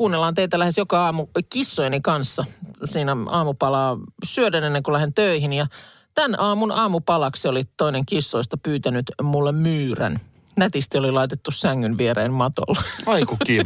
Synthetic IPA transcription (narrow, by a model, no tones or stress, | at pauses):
kuːnːelːɑːnt̪eit̪ælæhesjokɑɑːmukisːojnikɑnsːɑsiːnæɑːmupɑlɑːsyødænenːeŋkulæhent̪øihinjɑ | t̪ænɑːmunɑːmupɑlɑksolit̪oineŋkisːoist̪ɑpyːt̪ænyt̪mulːemmyːræ̰n | næt̪ist̪iolilɑit̪et̪ːussæŋːynʋieɾeːnmɑt̪o̰lːeɑikukːi